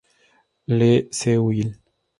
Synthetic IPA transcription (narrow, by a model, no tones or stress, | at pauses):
lesewjil